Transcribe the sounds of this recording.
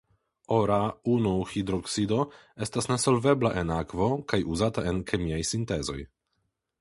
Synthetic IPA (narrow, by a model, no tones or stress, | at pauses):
o̞ɾaunuxidɾoksido̞ | e̞stasne̞so̞lve̞blaʔe̞nakvo̞kajuzatae̞nkʰemiajsinte̞zo̞j